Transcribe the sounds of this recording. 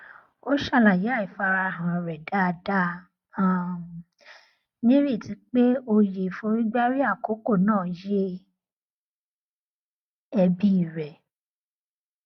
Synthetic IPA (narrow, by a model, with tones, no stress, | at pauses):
o˦ʃa˦˨la˨ji˨˦a˦˨i˨fa˧ɾa˧˨ɦã˨ɾɛ˨da˦˧da˦˨ | nĩ˦ɾi˦˨ti˨˧˦k͡pe˦o˧je˨fũ˧˦ɾĩ˦ɡ͡ba˦ɾi˦a˦˨ko˨˦ko˦˨nãː˦˨˦je˦ | ɛ˧bi˦i˦˨ɾɛ˨